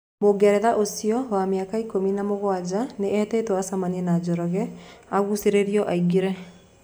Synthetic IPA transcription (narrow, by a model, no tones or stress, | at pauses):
moɡɛɾɛðaʔosiɔwameakaikominamoɣwad͡ʒaneʔɛːtɛːtwasamanienad͡ʒɔɾɔɣɛaɣuseɾeɾiɔʔaiɡeɾɛ